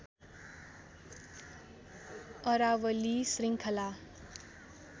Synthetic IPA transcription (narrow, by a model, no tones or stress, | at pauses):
ʌɾawʌlisriŋkʰʌla